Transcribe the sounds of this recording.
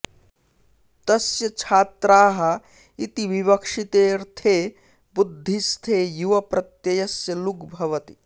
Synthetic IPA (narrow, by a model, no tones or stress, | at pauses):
t̪ɐsjɐt͡ʃʰaːt̪ɾaːɦɐ | it̪iʋibɐkʂit̪eːɾt̪ʰeː | bud̪ʱːist̪ʰeːjuʋɐpɾɐt̪jɐjɐsjɐlukbʱɐʋɐt̪i̥